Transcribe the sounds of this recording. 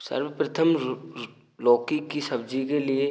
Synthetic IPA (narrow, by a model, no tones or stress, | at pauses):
sɐ̰ɾwpɾɐt̪ʰəm | lɔːkikisɐbd͡ʒikelie